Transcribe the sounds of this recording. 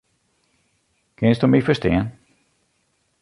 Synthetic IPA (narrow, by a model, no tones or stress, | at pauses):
kʰɛnsd̪ɔmifəst̪eːn